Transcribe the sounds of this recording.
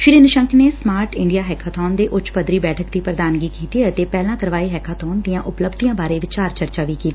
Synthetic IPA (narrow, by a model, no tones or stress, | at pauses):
ʃɪɾiːnəʃəŋkneːsmaːɾʈɪɳɖijaːɦɛːkʰaːt̪ʰɔːnd̪eːʔʊt͡ʃpəd̪ɾiːbɛːʈʰəkd̪iːpɾəd̪aːnɡiːkiːt̪iːət̪eːpɛːlãːkəɾʋaːiːɦɛːkʰaːt̪ʰɔːnd̪ijãːʔʊpləbd̪ijãːbaːɾeːʋɪt͡ʃaːɾt͡ʃəɾt͡ʃaːʋiːkiːt̪iː